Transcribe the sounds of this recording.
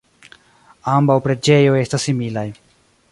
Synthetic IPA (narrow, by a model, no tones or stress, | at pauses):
ambawpɾe̞d͡ʒe̞jo̞e̞stasːimilaj